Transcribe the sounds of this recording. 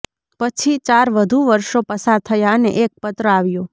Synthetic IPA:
pət͡ʃʰit͡ʃaɾʋəd̪ʱuʋəɾʃopəsaɾt̪ʰəjaənḛʔek̚pət̪ɾəaʋjõ

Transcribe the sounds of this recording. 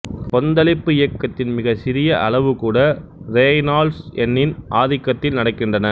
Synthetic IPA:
pɔnd̪ɐlɪpːɯɪjɐkːɐt̪ːɪnmɪɣɐsɪɾɪjɐʔɐɭɐʋɯkuːɽɐɾeːnaːlsɛnːɪnʔaːðɪkːɐt̪ːɪlnɐɽɐkːɪndrɐnɐ

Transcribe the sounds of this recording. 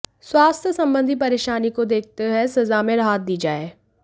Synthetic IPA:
swaːst̪ʰjəsɐ̃mbə̃nd̪ʱipɐɾeːʃaːnikod̪eːk̚ʰt̪eɦɛsɐzamẽɾɐɦaːt̪̚d̪iːd͡ʒaːeː

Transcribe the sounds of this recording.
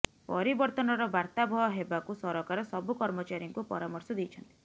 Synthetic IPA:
pɔɾibɔɾt̪ɔnɔɾɔbaɾt̪abʱɔɦɔɦebakusɔɾɔkaɾɔsɔbukɔɾmɔt͡ʃaɾjiŋkupɔ̰ɾamɔɾsɔd̪ijt͡ʃʰɔnt̪i̥

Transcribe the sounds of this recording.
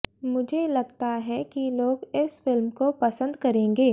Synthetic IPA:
mʊd͡ʒʱelɐɡt̪aɦɛkiloːɡɪsfɪlmkopɐsə̃nd̪kɐɾẽːŋɡeː

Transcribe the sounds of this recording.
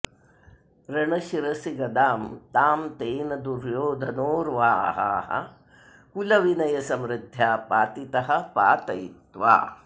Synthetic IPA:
ɾɐɳɐʃiɾɐsiɡɐd̪aːmt̪aːmt̪eːnɐd̪uɾjoːd̪ʱɐnoːɾʋaːɦɐ̰hɐ̰ | kulɐʋinɐjɐsɐmɾɪd̪ʱjaːpaːt̪it̪ɐɦɐ̆pa̰ːt̪ɐjit̪ʋa̰ː

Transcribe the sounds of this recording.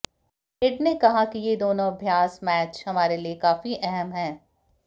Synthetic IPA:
ɪɖnekɐɦakijed̪oːnõɐbʱjaːsmɛːt͡ʃhɐmaːɾeliekaːfiʔɛɦɛmɦɛ̃ː

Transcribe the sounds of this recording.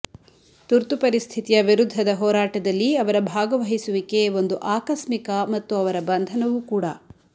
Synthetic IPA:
t̪uɾt̪upɐɾist̪ʰit̪ijɐʋiɾud̪ʱːɐd̪ɐɦɔːɾaːʈɐd̪ɐlːiɐʋɐɾɐbʱaːɡɐʋɐɦisuʋikeo̞nd̪uʔaːkɐʃmikɐmɐt̪ːuɐʋɐɾɐbɐnd̪ʱɐnɐʋukuːɽɐ̰

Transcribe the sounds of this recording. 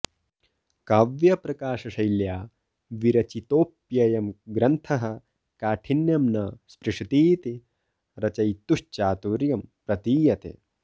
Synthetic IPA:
kaːʋjɐpɾɐkaːʂɐʃɐjljaː | ʋiɾɐt͡ʃit̪oːpjɐjɐmɡɾɐnt̪ʰɐɦɐ̆ | kaːʈʰinjɐmnɐspɾiʂit̪iːt̪i | ɾɐt͡ʃɐjt̪uʂt͡ʃaːt̪uɾjɐmpɾɐt̪iːjɐt̪ḛ

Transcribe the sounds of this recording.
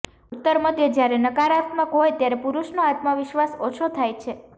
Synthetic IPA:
ut̪ːəɾməd̪ʱjəd͡ʒjaɾenəkaɾat̪məkɦojt̪jaɾepuɾuʃnoat̪maʋɪʃʋasot͡ʃʰot̪ʰajt͡ʃʰe

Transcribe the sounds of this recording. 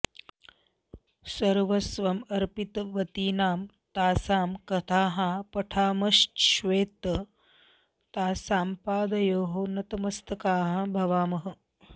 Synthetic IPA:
sɐɾʋɐsʋɐmɐɾpit̪ʋɐt̪iːnaːm | t̪aːsaːmkɐt̪ʰaːɦapɐʈʰaːmɐʃʃʋeːt̪ɐ | t̪aːsaːmpaːd̪ɐjoːɦoːnɐt̪ɐmɐst̪ɐkaːɦãbʱɐʋaːmɐɦɐ̆

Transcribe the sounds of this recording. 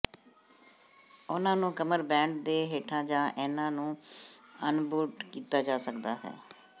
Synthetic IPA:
ʊnãːnũːkəməɾbɛ̃ːɳɖd̪eːɦeːʈʰãːd͡ʒãːʔɛːnãːnũːənbuːʈkiːt̪aːd͡ʒaːsəkd̪aːɦɛ̰ː

